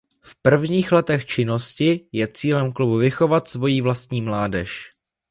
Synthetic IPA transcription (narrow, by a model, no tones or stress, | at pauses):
fpr̩vɲiːxlɛt̪ɛxt͡ʃɪno̞scɪjɛt͡siːlɛmklubuvɪxo̞vat̪svo̞jiːvlast̪ɲiːmlaːdɛʃ